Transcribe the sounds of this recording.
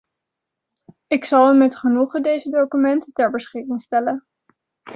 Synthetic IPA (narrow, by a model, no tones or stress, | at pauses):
ɪksɑlˠəmɛtχənuχədejzədowkymɛntətɛɹbəsχɪkɪŋstɛlən